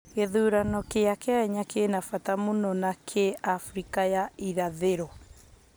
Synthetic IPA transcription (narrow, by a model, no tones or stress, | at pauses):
keðuːɾanɔkeakeaɛɲakenafatamunɔnakʰeafɾikajaiɾaðeɾɔ